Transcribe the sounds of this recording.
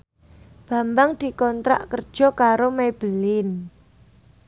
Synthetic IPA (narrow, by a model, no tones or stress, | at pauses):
b̥ä̤mbaŋd̪̥i̤kɔnt̪ɾa̰ʔkərd̥ʒ̥ɔ̤kaɾomeb̥ə̤lɪn